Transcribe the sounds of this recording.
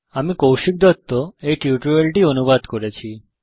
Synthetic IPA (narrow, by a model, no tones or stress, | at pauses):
amĩkɔwʃik̚d̪ət̪ːoeʈjuʈɾəlʈiənuʋad̪kəɾet͡ʃʰi